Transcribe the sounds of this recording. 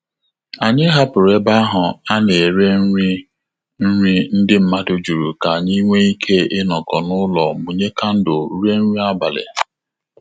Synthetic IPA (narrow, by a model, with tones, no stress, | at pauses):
a˨ɲɪ˦ɦa˦pʊ˨ɾe˦ba˦a˦ɦʊ˨a˦ne˨ɾe˦i˦ | n̩˦ɾʷi˦n̩˦dɪ˦m̩˦ma˦dʊ˦d͡ʒu˨ɾu˨ka˨ɲi˦ŋʷe˦i˦kʰe˦ɪ˦nɔ˨kɔ˨nʊ˦lɔ˨mu˨ɲe˦ka˦n̩˦dʊ˨˦ɾe˦n̩ʷ˦i˦a˦ba˨lḛ˨